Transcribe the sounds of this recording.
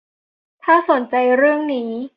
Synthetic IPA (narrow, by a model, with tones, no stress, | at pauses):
t̪ʰaː˥˩so˨˩˦nt͡ɕa˧jɾɯ˥˩əŋniː˦˥